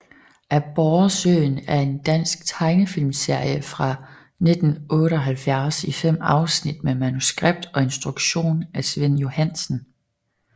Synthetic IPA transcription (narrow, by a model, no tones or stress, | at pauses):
ʔæb̥ɒʊɐsø̰ːnæɐe̝nd̥æn̰sɡ̥̚t͡sʰɑ̈ɪnəfilmse̝ɐ̰jəfʁɑ̈ | ne̝d̥n̩ʔɔ̽ːɾəɒɦælfjæɐsifem̰ɑ̈ʊsnid̥memænusɡ̥ʁab̥̚d̥ɒ̽e̝nsd̥ʁuɡ̥ɕo̝̰ːnæsʋen̰jo̝hæn̰sn̩